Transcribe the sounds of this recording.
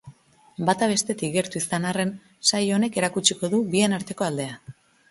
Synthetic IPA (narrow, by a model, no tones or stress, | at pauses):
bat̪aβ̞e̞st̪e̞t̪iɡe̞ɾt̪uisanare̞n | sajo̞ne̞ke̞ɾakut͡ʃiko̞ðuβie̞naɾt̪e̞ko̞ald̪e̞a